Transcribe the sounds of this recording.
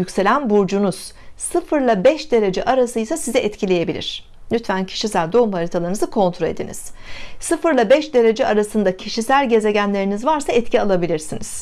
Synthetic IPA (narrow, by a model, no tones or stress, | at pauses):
ycʲse̞lʲænbuɾd͡ʒunuz̥ | sɯfɯɾlˠabɛʃd̪e̞ɾe̞d͡ʒɛʔaɾasɯjsasizɛʔɛt̪cʰilʲe̞je̞bilʲḭɾ̝̥ | nyt̪fæncʰi̥ʃisælʲd̪o̞umhaɾit̪ʰalˠaɾɯnɯzɯkʰo̞nt̪ʰɾoe̞d̪inḭz̥sɯfɯɾlˠabɛʃd̪e̞ɾe̞d͡ʒɛʔaɾasɯnd̪acʰiʃisælʲɟe̞ze̞ɟænlʲe̞ɾinizvaɾsaɛt̪cialˠabilʲiɾsiniz̥